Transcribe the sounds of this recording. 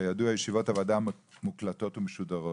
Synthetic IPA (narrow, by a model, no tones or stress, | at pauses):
ajaduajeʃivo̞tavadamuklato̞tumeʃudaʁo